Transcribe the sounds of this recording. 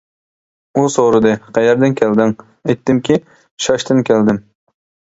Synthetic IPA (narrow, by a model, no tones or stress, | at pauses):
usoɾɨd̪ɨqʰæjɛɾd̪ɪnkʲʰɛld̪ɪŋ | ɛjt̪ːɪmkʲʰi | ʃɑʃt̪ɪnkʲʰæld̪ɪm